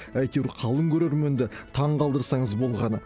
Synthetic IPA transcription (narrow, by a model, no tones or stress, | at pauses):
æjt̪ewɾqʰɑlˠəŋkʲʰɵɾeɾme̞nd̪ɪt̪ʰɑɴqɑlˠd̪əɾsɑɴəzbo̞lˠʁɑnə